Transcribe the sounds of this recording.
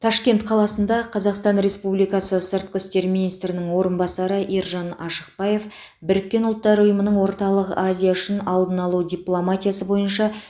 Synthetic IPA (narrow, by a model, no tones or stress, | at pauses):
t̪ʰɑʃkʲe̞nt̪qʰɑlˠɑsənd̪ɑqʰɑzɑqst̪ɑnɾe̞spublijkɑsəsəɾt̪̚qəst̪e̞ɾminijst̪ɾɪnɪŋwo̞ɾənbɑsɑɾəʔiɾʒɑnɑʃəq̚bɑje̞f | bɪɾɪkʲːe̞nʊlˠt̪ːɑɾʊjəmənəɴwo̞ɾt̪ɑlˠəqazʲijaʏʃɪnɑlˠd̪ənɑlˠud̪ʲijplˠomat̪ʲijasəbo̞jənʃɑ